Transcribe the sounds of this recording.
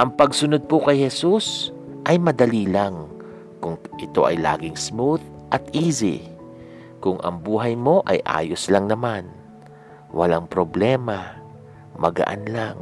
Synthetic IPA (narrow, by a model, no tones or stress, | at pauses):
ʔɐŋpɐɡsʊnod̪̚pokɐjhɛsusʔɐjmɐd̪ɐliːlaŋ | kʊŋʔɪt̪o̞̰ʔɐ̰jla̰ːɡɪŋsmuðʔɐt̪ʔiːzɪ̰ | kʊŋʔɐ̰ŋbuːɦɐjmo̞ʔɐjʔa̰ːjoslɐŋnɐman | wʔɐ̰laŋpɾoblɛːma | mɐ̰ɡɐ̰ʔa̰nlaŋ